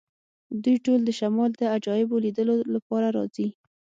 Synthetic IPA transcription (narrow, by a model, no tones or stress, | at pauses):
d̪ujʈold̪əʃamɑld̪əad͡ʒɑjɪbolid̪əlolapɑɾaɾɑzi